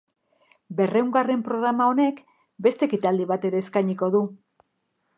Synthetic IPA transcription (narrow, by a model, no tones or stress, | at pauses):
be̞rewŋɡare̞mpɾo̞ɣɾamao̞ne̞k | be̞st̪e̞kit̪ald̪iβ̞at̪e̞ɾe̞ːskajɲiko̞ðu